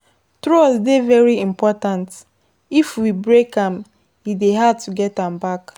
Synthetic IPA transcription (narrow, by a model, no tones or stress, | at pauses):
tɾosdevɛɾiimpɔtãnt | ifwibɾekãm | ideɦad̚tʰuɡɛtãmbak